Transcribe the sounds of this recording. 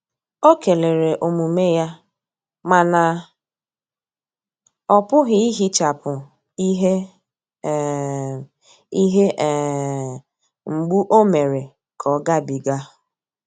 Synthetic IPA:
o˦ke˨le˨ɾe˨ʔo˨mu˨me˦ja˦ | ma˨na˨ | ɔ˨pʊ˦ɣɪ˦i˦ɦi˦t͡ʃa˨pʊ˨ | i˦ɦe˦ | i˦ɦe˦ʔ | ŋ͡m̩˨ɡ͡bu˦ʔo˦me˨ɾe˨ | kʰɔ˨˦ɡa˦bi˨ɡa˦

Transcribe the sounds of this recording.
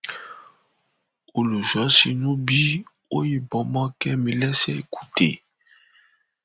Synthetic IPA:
o˨lu˨ʒɔ˨˦si˨nu˦bi˦ | o̰˦je˦bɔ˨mɔ˦kɛ˦mi˨lɛ˦sɛ˦˨ku˨tḛ˨

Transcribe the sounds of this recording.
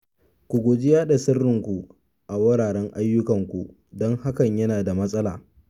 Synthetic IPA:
kʷu˨ɡʷoː˨d͡ʒɪ˦jaː˦ɗa˨sɪ˦rːɪ˨ŋkʷu˨ | ʔa˨wɐ˦ɽaː˨ɽɛ˦ŋʔa˦jːʊ˦kɐ˨ŋkʷṵ˨ | dɔ˦ŋha˦kɐ˨ɲjɐ˦naː˨da˨mɐ˦sʼɐ˦la̰ː˨

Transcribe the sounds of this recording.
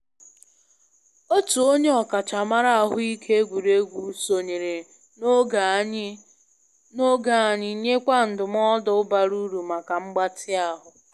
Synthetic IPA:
o˦tu˨o˦ɲe˦ɔ˨ka˨t͡ʃa˨ma˦ɾa˦a˨ɦʊ˦i˦kʰe˦e˦ɡʷu˨ɾe˦ɡʷu˨so˨ɲe˨ɾe˨˦ | o˦ɡa˨a˨ɲɪ˨˦ɲe˦kʷa˦n̩˨dʊ˨m˦ɔ˦dɔ˨ʊ˦ba˨ɾu˦ɾu˨ma˨ka˨ŋ͡m̩˦ɡ͡ba˦tʰɪ˦a˦ɦʊ˨

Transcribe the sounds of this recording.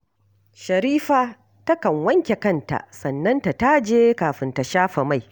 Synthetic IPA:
ʃɐ˨ɾiː˦ɸaː˦ | tɐ˦kɐ˨ŋwɐ˦ŋkʲe˨kɐ˦nta̰˨ʔsɐ˨nːɐ˦nta˨ta˦d͡ʒeː˦kaː˨ɸɪ˦nta˨ʃaː˦ɸa˨ma˦˨j

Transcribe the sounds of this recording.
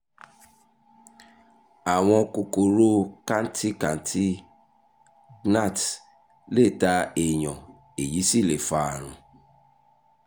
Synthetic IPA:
a˨w̃ɔ̃˧ko˧ko˨ɾo˦ka˦n̩˦tʰi˦kã˨n̩˦tʰi˦ | na˦˨t | le˦˨ta˧e˨j̃ɔ̃˨ | e˨ji˨˦si˦˨le˨fa˧a˨ɾ̃ũ˨

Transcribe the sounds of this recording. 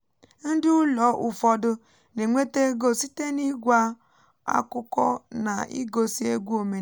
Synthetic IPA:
n̩˦dɪ˦ʊ˦lɔ˨˦ʔʊ˨fɔ˨dʊ˦ | ne˨ŋʷe˦te˦ɡo˦si˦te˦ni˦ɡʷa˦ | a̰˦kʊ˦kɔ̰˦na̰˨ḭ˦ɡo˨si˦e˦ɡʷu˦o˨me˨

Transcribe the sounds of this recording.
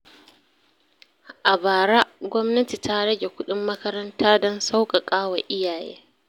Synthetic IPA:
ʔa˨baː˨ɽa˦ɡʷɔ˦mnɐ˦ti˨ta˦ɽɐ˦ɡʲe˨kʷʊ˦ɗɪ˦mːɐ˦kɐ˦ɾɐ˦ntaː˦dɔ˦nsa˦wkʼa˨kʼaː˦wa˨ʔɪ˦jaː˨jḛː˦

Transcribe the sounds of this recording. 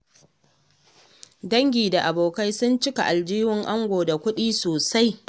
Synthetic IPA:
dɐ˦ŋɡʲiː˨da˨ʔa˨boː˨ka˦jsʊ˦nt͡ʃɪ˦ka̰˨ʔa˨ld͡ʒiː˦wɪ˨ŋʔa˦ŋɡʷoː˨da˨kʷʊ˦ɗiː˦soː˨sa˦j

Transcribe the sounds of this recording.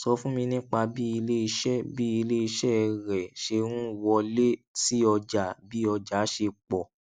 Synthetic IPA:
sɔ˧˦fũ˦mĩ˧nĩ˦k͡pa˧bi˦i˧le˦i˧ʃɛ˦bi˦i˧le˦i˧ʃɛ˦˧ɾɛ˨ʃe˧ɾũ˦˨wɔ˧le˦si˦ɔ˧d͡ʒa˨bi˦ɔ˧d͡ʒa˨˦ʃe˧k͡pɔ˨

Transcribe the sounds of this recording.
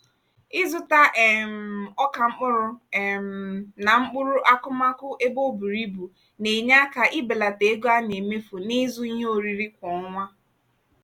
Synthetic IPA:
ɪ˦zʊ˦ta˦ʔɛ˨m̩˨ɔ˦ka˨ŋ͡m̩˦k͡pʊ˦ɾʊ˦˨m̩˨na˨ŋ͡m̩˦k͡pʊ˦ɾʊ˦ʔa˦kʊ˦ma˦kʊ˦ʔe˦bo˦bu˨ɾi˦bu˨ | ne˨ɲa˦ka˨ʔɪ˦bɪ˨la˨te˨˦ɡo˦a˦ne˨me˦fo˨ni˦zʊ˦i˦ɲe˦o˨ɾi˦ɾi˦kʷɔ˨˦ŋʷa˦

